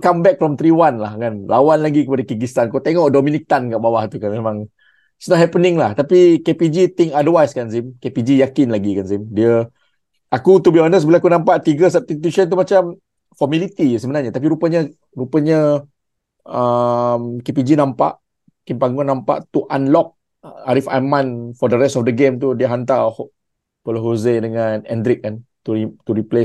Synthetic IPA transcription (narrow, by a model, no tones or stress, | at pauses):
kambɛk̚fɾɔmt̪ɾiwanlahkanlawanlaɡikəpadakiɡist̪ankut̪eŋɔʔdominit̪ankaʔbawaht̪ukanmemãŋ | snɔthɛpənɪ̃ŋlaht̪apikepid͡ʒit̪ɪŋadəwajskansimkepid͡ʒijakɪnlaɡikansimdiə | ʔakut̪ubiɔnəs̬bilaakunãmpaʔt̪iɡəsap̚t̪it̪isənt̪̬umat͡ʃam | fɔmilit̪isəmənaɾɲat̪ap̬iɾupəɲə | ɾupəɲə | əmkep̬id͡ʒinãmpa̰ʔ | kinpaŋɡʊnːãmpa̰ʔt̪uʔanlɔk̚ | aɾifa̰mãnfɔdəɾɛstɔfdəɡemt̪̬udiəɦant̪̬ahɔʔ | pɔloɦozedəŋãnɛndɾɪk̚ːant̪uit̪uɾiples